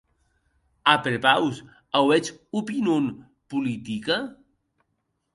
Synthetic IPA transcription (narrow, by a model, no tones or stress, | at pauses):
apeɾepaws | awɛt͡ʃupinon | pulit̪ika